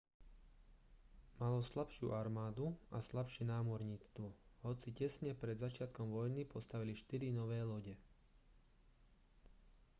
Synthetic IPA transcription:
malɔslapʃɪṵːʔaɾmaːd̪uaslapʃɪɛnaːmɔɾɲiːt͡st̪ʋɔhɔt͡sicɛsɲɛpɾɛd̪zat͡ʃɪat̪kɔmʋɔjnipɔst̪aʋiliʃt̪iɾinɔʋɛːlɔɟɛ

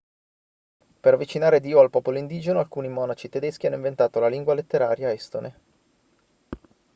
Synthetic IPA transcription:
peɾavit͡ʃinaːɾed̪iːoalpɔːpoloind̪iːd͡ʒenoalkuːnimɔːnat͡ʃit̪ed̪esk̟ianːoĩɱvent̪aːt̪olaliŋɡwalet̪ːeɾaːɾjaɛst̪onʔe

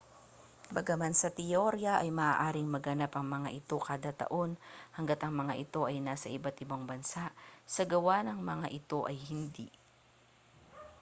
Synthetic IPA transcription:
bɐɡɐmansɐt̪ɪjoɾjɐʔɐjmɐʔaːʔaːɾɪŋmɐɡɐnapɐŋmɐŋaʔɪt̪o̞kaːd̪at̪ɐ̰ʔo̞nhɐŋɡat̪ʔɐŋmɐŋaʔɪt̪o̞ʔɐjnaːsɐʔɪbat̪ɪbaŋbɐnsaʔsɐɡɐwanɐŋmɐŋaʔɪt̪o̞ʔɐjhɪnd̪ḭ

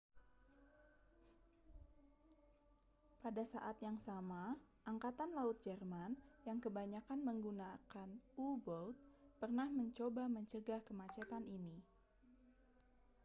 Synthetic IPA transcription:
padasa̰ʔat̪jaŋsamaʔaŋkat̪anlaʊt̪̚d͡ʒɛrmanjaŋkəbaɲakanməŋɡunakanubɔlt̪̚pərnahməɲt͡ʃobaməɲt͡ʃəɡahkəmat͡ʃat̪anini

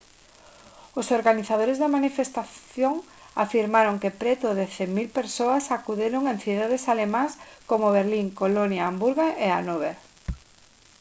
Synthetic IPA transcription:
ʊsoɾɣaniθað̞oɾezðɪmanifest̪aθjoŋ | afiɾmaɾoŋkepɾɛt̪ʊðeθemilpeɾsoasakuðeɾoŋẽnθiðaðesalemãskomoβeɾliŋkolonjaːmbuɾɣaʔea̰noβeɾ

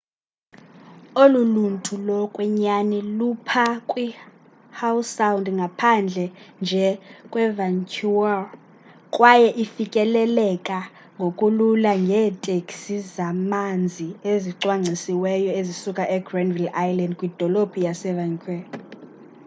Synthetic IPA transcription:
oluluntʼʰulɔkʼwɛɲanɛlupʰakʼwi | hawsawndŋɡʱapʰand͡ɮʱɛnd͡ʒʱɛkʼwɛvaŋkʰual | kʼwajɛʔifikʼɛlɛlɛkʼa | ŋɡʱokʼululaŋɡʱɛːtʼekʼsizamand͡zʱieziǀwaŋ͡ǀʱisiwɛjɔezisukʼaʔɛɡrandvilajlandkʼwid̥ʱɔlopʰijasɛvaŋkʰʼwɛl

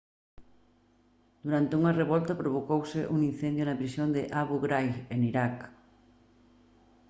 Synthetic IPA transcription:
d̪uɾant̪euŋɐreβɔlt̪ɐpɾoβ̞okowsɪʔuŋin̟θend̪jonɐpɾisjond̪ɪʔaβuɣɾajɣeniɾak

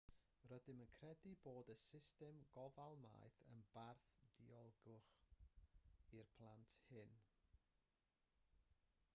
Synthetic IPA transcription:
rədɪmənkʰrɛdiboːdəsɪstɛmɡɔvalˠma̰ːjθə̰nb̥arθd̥iɔlˠɡʊχ | irpʰlˠantʰhɪn

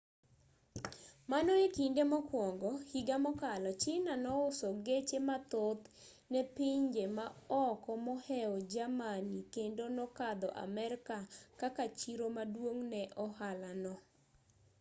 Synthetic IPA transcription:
manɔekindemɔkwɔŋɡɔhiɡamɔkalɔt͡ʃɪnanɔʊsɔɡet͡ʃemat̪ot̪ | nɛpiɲd͡ʒemaɔkɔmɔhɛɔd͡ʒamanikendonɔkad̪ɔʔa̰mɛɾkakakat͡ʃiɾomadwoŋnɛʔɔhalanɔ

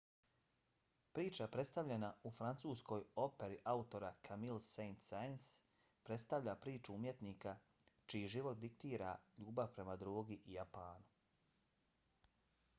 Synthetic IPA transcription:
pɾiːt͡ʃapɾe̞t̪st̪aʋʎʲenaufɾant̪suːsko̞jo̞pe̞ɾiʔaut̪o̞ɾakʰamilsejnt̪sajns | pɾe̞t̪st̪aʋʎapɾiːt͡ʃuumje̞t̪niːkat͡ʃijiʒiʋo̞t̪̚d̪ik̚t̪iːɾaʎuːbaʋpɾe̞mad̪ɾuːɡiʔijapaːnu

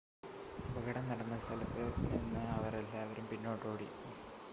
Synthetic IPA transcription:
ubɐɡɐɽɐnnɐɽɐnːɐst̪ɐlɐpːɨinːɨɐʋɐɾelːaːʋɐɾumpinːo̞ːʈːoːɽi

